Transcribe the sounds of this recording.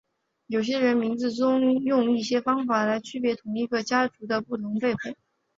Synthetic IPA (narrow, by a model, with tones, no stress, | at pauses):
jo˨˩ʊɕ̬jɛ˥ɻə˧˥nmi˧˥ŋd͡zɹ̩˥˧ʈ͡ʂʊ˥ŋjʊ˥˧ŋi˥˩ɕjɛ˥fɑ˥ŋfa˨˩la˧˥ɪt͡ɕʰy˥pjɛ˧˥t̪ʰʊ˧˥ŋi˧˥ɡə˧t͡ɕja˥ʈ͡ʂu˧˥d̪ə˧pu˥˩t̪ʰʊ˧˥ŋpe˥˧ɪxwe˥˩˦